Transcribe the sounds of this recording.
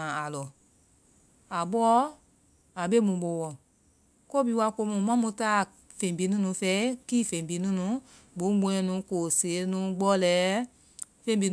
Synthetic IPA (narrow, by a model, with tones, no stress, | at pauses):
ã˨a˨lɔ˨ | a˨ɓɔː˦ | a˨be˦mũ˨ɓo˨wɔ̃˨ | ko˦bi˦˧˦wa˧ko˧˦mũ˨mã˦mũ˧˦taː˦˨ | fẽ˨bi˨˦nũ˦nũ˨˦fɛ˦kiː˦˨fẽ˨bi˨˦nũ˦nũ˨˦ | bũ˨˦ɡ͡bũ˧˦ɛ̃˧˦nũ˨˦ko˨se˨˦nũ˨˦ɡ͡bɔ˦lɛː˨˦ | fẽ˦bi˧˦